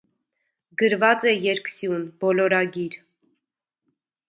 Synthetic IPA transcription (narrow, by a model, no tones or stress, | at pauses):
ɡəɾvɑt͡sɛjɛɾksjunbɔlɔɾɑɡiɾ